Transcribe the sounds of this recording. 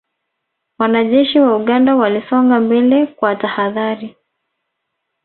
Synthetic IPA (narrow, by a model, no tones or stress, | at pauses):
wanaʄɛʃiwauɠandawalisɔŋɡambɛlɛkwatahaðaɾi